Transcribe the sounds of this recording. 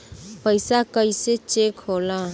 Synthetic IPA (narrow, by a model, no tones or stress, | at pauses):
pəɪsakəiset͡ʃekɦola